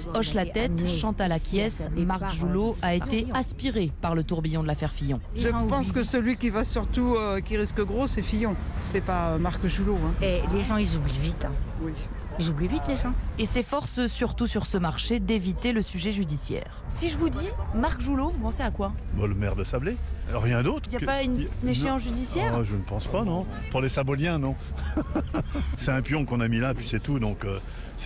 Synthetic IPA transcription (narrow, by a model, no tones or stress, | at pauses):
ɔʃlat̪ɛt̪ʃɑ̃t̪alakʲjɛsmaʁkʒuloaet̪easpiʁepaʁlət̪uʁbijɔ̃d̪əlafɛʁfijɔ̃ | ʒə̃pɑ̃skəsəlɥikʲivasyʁt̪uøkʲiʁiskəɡʁosɛfijɔ̃sɛpaømaʁkʒuloɛ̃eleʒɑ̃izublivit̪ | izublivit̪leʒɑ̃esɛfɔʁssyʁt̪usyʁsəmaʁʃed̪evit̪eləsyʒɛʒyd̪isjɛ̰ːʁsiʒəvud̪imaʁkʒulovupɑ̃seakwabɔləmɛʁd̪əsableʁjɛ̃d̪ot̪χiljapaynneʃeɑ̃sʒyd̪isjɛʁaʒənəpɑ̃spanɔ̃ | puʁlesabɔljɛ̃nɔ̃ | sɛt̪ɛ̃pjɔ̃kɔ̃namilapɥisɛt̪ud̪ɔ̃kø | sɛ